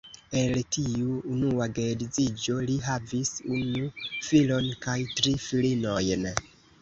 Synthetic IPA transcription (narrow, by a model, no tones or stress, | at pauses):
e̞ltiuːnuaɡedid͡zid͡ʒo̞liɦavisunufilo̞nkajtɾifilino̞jn